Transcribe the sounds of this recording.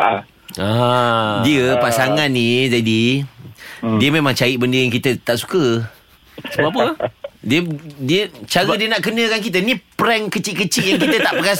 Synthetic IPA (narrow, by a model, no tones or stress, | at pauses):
a | diəpasaŋãnnĩd͡ʒadi | diəmemãŋt͡ʃaiʔbəndəjaŋkit̪ət̪aʔsu̥kə | səbap̬ədiədiət͡ʃaɾədiənaʔkənə̃kank̬it̪ənĩpɾɛŋkət͡ʃiʔkət͡ʃiʔjaŋkit̪ət̪aʔpəka